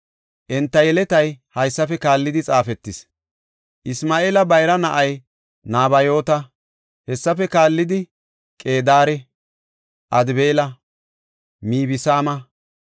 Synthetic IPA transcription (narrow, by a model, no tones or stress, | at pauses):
ʔɛnt̪ːɐjɛlɛt̪ɐjhɐjsːɐfɛkaːlːɪd̪ɪt͡sʼaːfɛt̪ːɪs | ʔɪsmaːʔeːlɐbɐjɾɐnɐʔɐj | naːbɐjo̞ːt̪ɐ | hɛsːɐfɛkaːlːɪd̪ɪ | kʼe̞ːd̪aːɾɛ | ʔɐd̪be̞ːlɐ | miːbɪsaːmɐ